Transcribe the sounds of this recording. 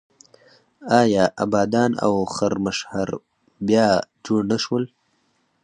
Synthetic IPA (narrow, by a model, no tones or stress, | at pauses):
ɑjɑʔabɑːd̪ɑːna̰wxaɾməʃhaɾ | bjɑd͡ʒoɽnaʃwəl